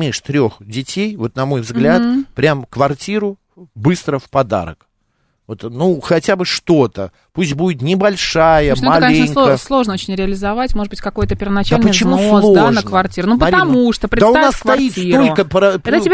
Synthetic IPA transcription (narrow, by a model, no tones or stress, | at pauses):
mʲiʂt̪ɾʲo̞xdʲɪtʲejvo̞t̪nɐmo̞jvzɡlʲat̪pɾʲamkvɐrtʲiɾʊ | bɨst̪ɾəfpɐd̪a̰ɾə̰k | vo̞t̪nuxɐtʲabɨʂt̪o̞t̪ə | pusʲt̚ʲbudʲɪt̪nʲɪbɐlʲʂajəmmɐlkɐnʲenŋʲˠkəslˠo̞ʐnəot͡ɕɪnʲɾʲɪɐlʲɪzɐvatʲmoʐd̪bɨtʲkɐko̞jət̪əpʲɪrvənɐt͡ɕalʲnpəjt͡ɕzɪnmusoslˠonəkvɐrtʲiɾʊnupəɐɾʲiɐmuʂt̪opɾʲɪtd̪asʊnassːkvɐit̪ʲiolʲkəpɾəpd̪ʲɪbʲ